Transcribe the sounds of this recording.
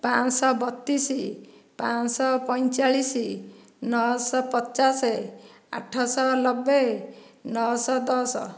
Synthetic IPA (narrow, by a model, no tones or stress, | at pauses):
pansɔbɔt̪ːisipansɔpɔjt͡ʃaɭisi | nɔsɔpɔt͡ʃase | a̰ʈʰɔsɔlɔbenɔsɔd̪ɔsɔ̰